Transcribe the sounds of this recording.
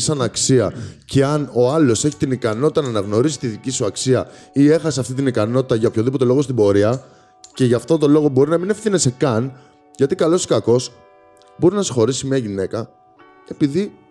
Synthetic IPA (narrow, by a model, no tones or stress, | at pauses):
sɐnɐksiɐce̞ɐno̞ɐlo̞se̞çi̥t̪inikɐno̞t̪i̥t̪ɐnɐnɐɣno̞ɾisi̥t̪iðicisuɐksiɐie̞xɐseɐft̪it̪inikɐno̞t̪i̥t̪ɐʝɐpçoðipo̞t̪e̞lo̞ɣost̪ibo̞ɾiɐ | ce̞ʝɐft̪ot̪o̞lo̞ɣo̞bo̞ɾinɐmine̞fθine̞se̞kɐn | ʝɐt̪ikɐlo̞si̥kɐko̞s | bo̞ɾinɐsi̥xo̞ɾisimiɐʝine̞kɐ | e̞piði